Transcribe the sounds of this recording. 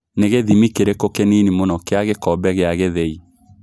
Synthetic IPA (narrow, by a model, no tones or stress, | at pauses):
neɣeðimikeɾekokeninimonɔkeaɣekɔbɛɣeaɣeðei